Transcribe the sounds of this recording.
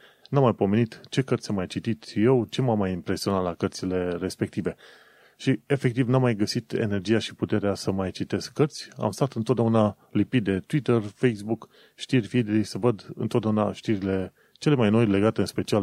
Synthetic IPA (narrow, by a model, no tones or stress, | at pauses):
namːajpo̞me̞nit̪t͡ʃe̞kərt̪sʲamajt͡ʃit̪it̪je̞wt͡ʃe̞mamːajimpɾe̞sio̞nat̪lakərt̪sile̞re̞spe̞kt̪ive̞ | ʃie̞fe̞k̚t̪ivnamːajɡəsit̪ḛne̞rd͡ʒijaʃi̥put̪e̞ɾeasəmajt͡ʃit̪e̞skːərt̪sʲa̰mst̪at̪ɨnt̪ot̪d̪euna | lipit̪̚d̪e̞t̪wit̪ərfejsbuk | ʃt̪irʲvid̪elisəvəd̪ɨ̰nt̪ot̪d̪euna̰ʃt̪iɾile̞ | t͡ʃe̞le̞majno̞jle̞ɡat̪e̞ɨnspe̞t͡ʃial